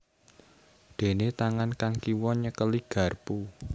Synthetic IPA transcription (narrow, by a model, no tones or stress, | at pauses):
d̪̥e̤net̪aŋankaŋkiwɔɲəkəliɡ̥ä̤rpu